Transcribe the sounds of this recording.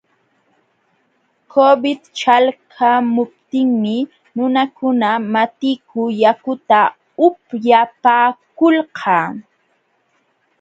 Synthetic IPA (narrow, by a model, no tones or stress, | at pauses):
kʰobɪd̪t͡ʃalkʰamʊp̚t̪ɪŋmɪ | nʊnakʊnamat̪ɪkʰʊjakʊt̪a | ʊpjapaːkʊlqʰɑː